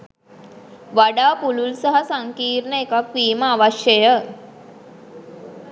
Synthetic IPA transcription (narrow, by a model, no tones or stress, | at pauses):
ʋaɖaːpululsaɦasaŋkiːɾnəekakʋiːməaʋaʃjəjə